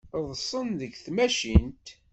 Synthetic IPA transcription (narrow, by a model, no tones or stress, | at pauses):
ðˤsˤənðəɡθmæʃint̪